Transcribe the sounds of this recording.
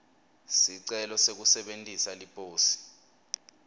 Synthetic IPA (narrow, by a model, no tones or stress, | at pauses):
siǀɛlɔsek̬usɛɓentʼisalipʼoːsi̥